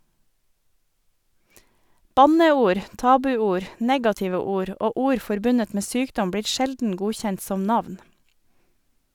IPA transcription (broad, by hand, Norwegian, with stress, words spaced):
ˈbɑnəˌuːɾ ˈtɑːbʉˌuːɾ ˈneːɡɑtɪʋə ˈuːɾ ˈoː ˈuːɾ ˈfɔɾbʉnət ˈmeː ˈsyːkdɔm ˈbɽiːɾ ˈʃɛldn̩ ˈɡuːçɛnt ˈsɔm ˈnɑʋn